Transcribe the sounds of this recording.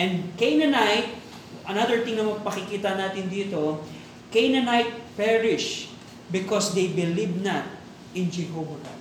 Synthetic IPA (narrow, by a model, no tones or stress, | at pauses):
ʔɛ̃nd̪kejnɐnajt̪̚ | ʔɐnad̪ɛɹt̪ɪ̃ŋnɐŋmɐɡ̚pɐkɪkiːt̪ɐnaːt̪ɪnd̪iːt̪o̞ | kejnɐnajt̪̚pɛɹɪʃ | bɪkosd̪ejbɪlibnɐt | ʔɪ̃nd͡ʒɛɦoːva